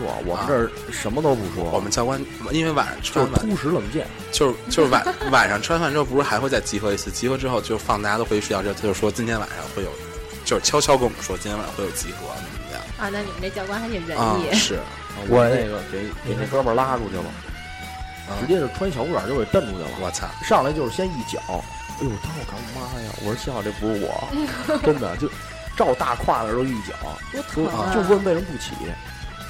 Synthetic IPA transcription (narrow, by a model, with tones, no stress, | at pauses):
wɔ̰˧˩˨wɔ̰˨˩mə˦ʈ͡ʂə˥˧˩ | ʂə˧˥nmə˧t̪o˥ʊpu˧˥ʂwɔ̰˥wɔ̰˨˩mə˦nt͡ɕjɑ˥ʊkwa˥n˩i˥nwe˥˧˩ɪwa̰˨˩n̰˧˥ʈ͡ʂʰwa˥˧˥na˨˩u˥˩ʂɻ̩˧˥lə˨˩˦ŋt͡ɕjɛ̰˥˩nt͡ɕjo˧ʊʂɻ̩˥˩t͡ɕjo˥˧ʊʂɻ̩˥˩a̰˨˧˦wa̰˨˩nʂɑ˥˧ŋʈ͡ʂʰwnfa˧˩nʈ͡ʂɻ̩˥o˥˩p̩˧˥˩xa˧˥ɪxwe˧t͡sa˥˩ɪt͡ɕi˧˥xɤ˧˥i˧˥sɹ̩˥˩t͡ɕi˧˥xɤ˧˥ʈ͡ʂɻ̩˥xo˥˧ʊt͡ɕjo˥˧ʊʂɻ̩˧fɑ˥˩ŋt̪a˥˧˩a˥o˥xwɪ˥˧ʂjɑ˥˧ʊ˩ʈ͡ʂɤ˥˧˩t͡ɕjo˥˧ʊʂɻ̩˥˩ʂwɔ˥t͡ɕi˥nt̪ʰjɛ˥n˧a̰˨˩nʂɑ̰˥˧ŋxwe˥˩ɪjo˨˩ʊ | t͡ɕjo˥˧ʊʂɻ̩˥˩t͡ɕʰjɑ˥ʊt͡ɕʰjɑ˥ke˥˩wɔ˨˩mə˦˩ʂwɔ˥t͡ɕi˥t̪ʰj̰xwjo˨˩t͡ɕi˧˥xɤ˧˥ɐ̰˧˩nə˨˩˧jɑ̰˥˩˦ɐ˥˧na˥˩ni˨˩ə˦nt̪e˥˩t͡ɕjɑ˥kwa˥nxa˧˥ʂɻ̩˨˩ɻə˧˥ə˧ɛ˧˥ʂɻ̩˥˩ | ə˧˩wɔ˧˩a˧˥ne˥˩˧ɡə˨ke˨˧˩ɪ˧˩ke˨˩ɪnɛ˥˩kə˥pə˞˨˩la˥ʈ͡ʂu˥˧˩o˥˩ʊlə̰˩˧˩ | ɻ̩˧˥t͡ɕjɛ˥ʈ͡ʂə˨˩ʈ͡ʂʰwa˥n˥ɕjɑ˨˥ʊu˥˩ə˞˨˩jo˥˧˩t̪ə˥˩nt̪u˨˩t̪ə̰˩˨wɔ̰˧˩t͡sʰa̰˥˩ʂɑ˥˩ŋlt͡ɕjʂ̩˥˩ɕjɛ˥ni˥˩t͡ɕjɑ̰˨˩˦ʊ˥˩˨ | ɔ˨˩t̪ʰɛ˥n˧˩kʰɑ˧˥ŋm˧˩ma˥˧ja̰˨˩wʔɔ̰˨˩ə˧˥t͡ɕʰi˧˥xɑ˥˧˩ɛ˥˩pu˧˥˩wɔ̰˨˩˦ə˥nd̪ə̰˨˩t͡ɕjo˥˩ʊ | ʈ͡ʂɑ˥˧ʊt̪a˥˧kʰwa˥˩d̪ə˨˩˧o˥˧˩i˥˩t͡ɕjɑ̰˨˩˦ʊ̰˧t͡ɕo˥˧˩o˥˩˧t͡ɕjwə˥˧˥pe˥˩ɻə˥np̬u˥˩t͡ɕʰḭ˨˩˦